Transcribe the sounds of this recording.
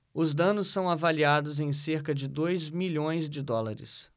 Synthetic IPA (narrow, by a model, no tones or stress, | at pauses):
ʊzd̪ɐ̃nʊsːɐ̃w̃avaliad̪ʊzẽj̃seɾkɐd͡ʒɪd̪ojzmiʎõj̃zd͡ʒɪd̪ɔlaɾɪ̰s